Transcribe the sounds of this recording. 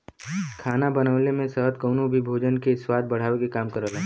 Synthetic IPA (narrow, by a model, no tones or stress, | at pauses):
kʰaːnabɐnəʋlemẽsəɦət̪̚kəʊnõbʱibʱoːd͡ʒənkeswaːd̪̚bɐɽ̤aːʋekekaːmkəɾəlɦɛ̃